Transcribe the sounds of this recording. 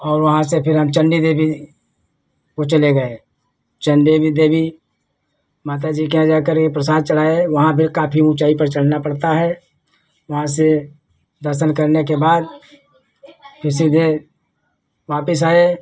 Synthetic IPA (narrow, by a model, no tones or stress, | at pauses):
ɔːɾʋɐɦãsepʰɪɾɦɐmt͡ʃə̃ɳɖid̪eːbʱi | kot͡ʃɐleɡɐe | t͡ʃə̃ɳɖeːbʱid̪eːbʱi | maːt̪̬ad͡ʒiːkeãd͡ʒaːkəɾkepɾəsaːd̪̚t͡ʃəɽ̤aːeʋɐɦãpʰɪɾkaːpʰiũt͡ʃaːipəɾt͡ʃɐɽ̤napɐɽt̪aɦɛː | ʋɐɦãse | d̪əɾʃəlkɐɾnekebaːd̪ | pʰɪɾsid̪e | ʋaːpɪs̬aːe